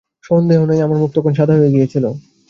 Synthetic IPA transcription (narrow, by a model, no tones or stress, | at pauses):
ʃond̪eɦonejamaɾmuk̚t̪okonʃ̬ad̪ʱaɦoeɡiet͡ɕʰilo